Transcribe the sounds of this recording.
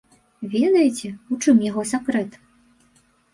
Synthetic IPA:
vʲɛd̪ɐjɛt͡sʲɛut͡ʂɨmjaɣɔsʲakɾɛt̪

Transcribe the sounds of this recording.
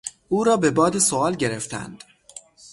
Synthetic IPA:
ʔuːɾɒːbe̞bɒːd̪esoɒːlɟeɾeft̪æ̰nd̪̥

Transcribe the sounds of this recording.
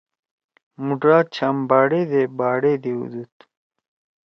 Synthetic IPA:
muɖɾaːt͡ɕʰambaːɽeːd̪ebaːɽeːd̪eṵd̪ut̪

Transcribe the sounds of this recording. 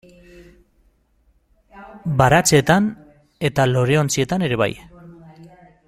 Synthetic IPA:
baɾat͡set̪an | e̞t̪alo̞ɾe̞ont͡sie̞t̪ane̞ɾe̞βa̰j

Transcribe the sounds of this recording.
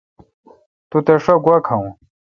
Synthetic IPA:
t̪ut̪eʂoɡwɐkʰɐw̃

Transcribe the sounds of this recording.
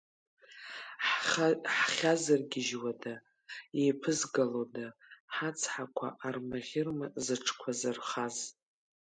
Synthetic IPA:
ħχʲazarɡʲɪʒwada | ejpʰɨzɡalodaħat͡sʰħakʷʰa̰ʔarmaʁʲɪrmazɨʈ͡ʂʰkʷʰazarχaz

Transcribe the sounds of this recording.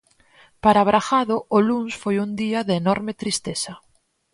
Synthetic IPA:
paɾaβɾaxaðʊʔʊlunsfojund̪iɐðeːnɔɾmet̪ɾist̪esɐ

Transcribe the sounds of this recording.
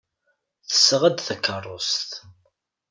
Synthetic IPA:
θə̥sːʁəd̪θækːərˤːost̪

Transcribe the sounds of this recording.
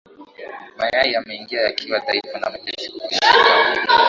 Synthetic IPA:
majaijamɛiŋɡiajakʰiwataifana̰matɛʃiki

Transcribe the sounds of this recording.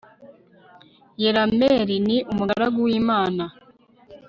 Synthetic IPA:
jeɾameːɾiniʔumuɡaɾaɡuwiːmaːna

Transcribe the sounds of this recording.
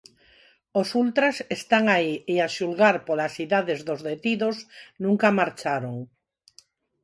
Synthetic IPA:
osult̪ɾasest̪aŋaieaʃulɣaɾpolasiðaðezðozðet̪iðosnũŋkamaɾt͡ʃaɾoŋ

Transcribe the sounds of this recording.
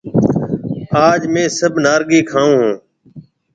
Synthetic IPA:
aːd͡ʒmẽːsəbnaːɾɡiːkʰãːũːɦũː

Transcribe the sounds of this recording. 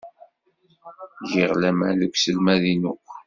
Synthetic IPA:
ʝiʁlæmæ̰ðəkʷsəlmæðinukʷ

